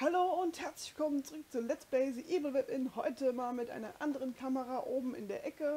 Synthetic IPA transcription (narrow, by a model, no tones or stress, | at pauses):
haloːʊnthɛɐt͡slɪç̥ɪlkʰɔmənt͡suʁʏk̚t͡suːɐlɛt͡sb̥ɛɪzəʔiːvl̩vɪpʔɪnhɔʏtəmaːlmɪtʔa̰ɪnɐʔandəʁənkʰaməʁaʔoːbm̩ɪ̰ndeːɐʔɛkə